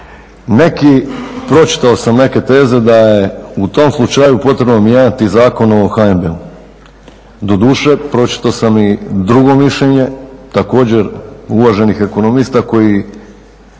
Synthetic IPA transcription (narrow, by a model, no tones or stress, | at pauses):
ne̞kipɾo̞t͡ʃi̥t̪aosamne̞ke̞t̪e̞ːze̞d̪ajeut̪o̞mslˠut͡ʃajupo̞t̪ɾe̞bnomjeːɲat̪izaːko̞noxaembeu | d̪o̞d̪uːʃe̞pɾo̞t͡ʃi̥t̪aosamid̪ɾuɡo̞miʃʎeɲe̞t̪ako̞ːd͡ʑe̞ɾuʋaʒe̞nixe̞ko̞nomiːst̪ako̞ji